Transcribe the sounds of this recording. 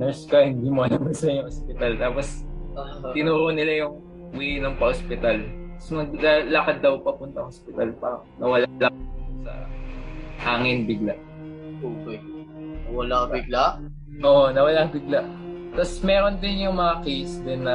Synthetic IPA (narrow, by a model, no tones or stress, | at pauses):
nɛɹskɐhɪnd̪iːmoɐnɐbɐsɐɲʊŋospɪt̪ɐlt̪aːpos | t̪ɪnuːɾonɪlajʊŋ | wɛjnɐŋpɐʔospɪt̪alɐsmɐɡlalɐkat̪̚d̪ɐwpɐpʊnt̪ɐŋʔospɪt̪alpɐ̰ | nɐwɐlalakd̪sɐ̰ | haːŋɪnbɪɡlaʔ | oːkɛ | nɐwɐlabɪɡlaʔ | ʔoːʔonɐwɐlaŋbɪɡlaʔ | t̪ɐsmɛːɾond̪ɪnjʊŋmɐŋɐkejsd̪ɪnːɐ